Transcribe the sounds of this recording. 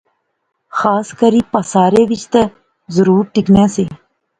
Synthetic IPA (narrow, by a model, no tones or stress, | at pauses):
xaːskəɾiːpəsaːɾeːʋɪt͡ʃt̪ə | zəɾuːɾʈɪknẽːseː